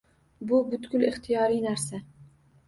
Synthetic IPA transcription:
bʊbʊt̪ɡʲʊlɪχt̪ʰijɒɾijnaɾsa

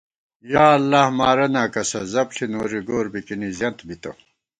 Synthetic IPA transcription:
jaːɐlːahmaːɾɐnaːkɐsɐzɐbɬʰinoːɾiɡoːɾbikinizjɐnt̪bit̪ɐ̰

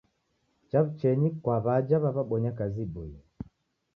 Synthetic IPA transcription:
t͡ʃaβut͡ʃɛɲikwaβad͡ʒaβaβaɓɔɲakazibui

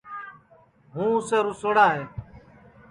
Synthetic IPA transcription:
ɦũːʊseːɾʊsəɽaːɦeː

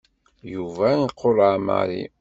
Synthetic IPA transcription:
juvæiqʰːolʕama̰ɾḭ

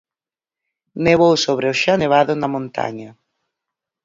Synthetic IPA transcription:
neβowsoβɾeʊʃaneβ̞aðʊnɐmõnt̪a̰ɲa

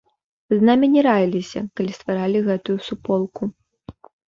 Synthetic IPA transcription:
znamʲinʲɛɾajilʲisʲɐ̰kɐlʲist̪vaɾalʲiɣɛt̪ujusupɔlˠku

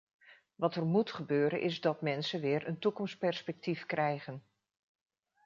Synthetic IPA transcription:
ʋɑtəɹmutχəbøːɾə̰nʔɪzdɑtmɛnsənʋɪːɹəntukɔmspɛɹspɛk̚tifkrɛjχən

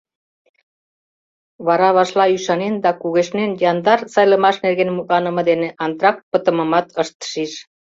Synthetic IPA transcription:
βɑɾɑβɑʃlɑyʃɑnend̪ɑkuɣeʃnenjɑnd̪ɑrsɑjləmɑʃnerɣenmuk̪̚lɑnə̆mɤ̆d̪eneʔɑnt̪rɑk̚pət̪ə̆məmɑt̪ʰəʃt̪ʃiʃ

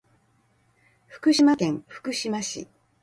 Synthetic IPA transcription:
ɸɯ̟̥kɯ̟ɕimakẽ̞ŋ̃ɸɯ̟̥kɯ̟ɕimaɕḭ

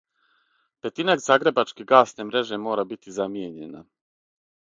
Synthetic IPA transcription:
pe̞t̪inaɡzaːɡɾe̞bat͡ʃkeɡaːsnemɾe̞ʒe̞mo̞ːɾabit̪izamjeɲe̞̰na̰

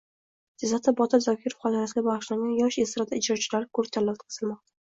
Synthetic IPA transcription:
dezat̪ʰːabɒt̪ʰɪɾzɒkʲʰɪɾofχɒt̪ʰɨɾasɪɡʲabaʁɨʃlaŋɡʲanjɒʃesɪɾad̪aɪd͡ʒɾɒt͡ʃʰɪlaɾkʰɵɾt̪ʰalːalt̪qʰɨ̥z̥ɨlˠmɒq̚t̪ʰa

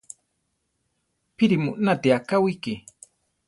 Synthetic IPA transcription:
piɾimṵʔnat̪iakawiki

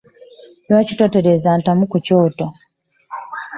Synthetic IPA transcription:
nwaːcito̞te̞ɾezaːntamukuco̞ːto

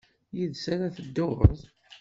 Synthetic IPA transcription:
jiðsæɾæθəd̪ːoʁə̰zˤ

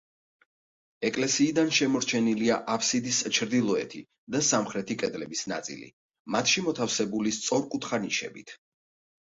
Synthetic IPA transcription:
ɛkʼlɛsiːd̪anʃɛmɔɾt͡ʃʰɛniliaʔapʰsid̪ist͡ʃʰɾd̪ilˠɔɛ̰t̪ʰi | d̪asamχɾɛt̪ʰikʼɛd̪lɛbisna̰t̪sʼḭlḭ | mat̪ʰʃimɔt̪ʰafsɛbulist̪sʼɔɾkʼut̪ʰχaniʃɛ̰bit̪ʰ

